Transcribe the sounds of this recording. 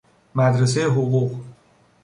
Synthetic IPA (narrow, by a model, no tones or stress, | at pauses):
mæd̪ɾesejeɦoɣuɣ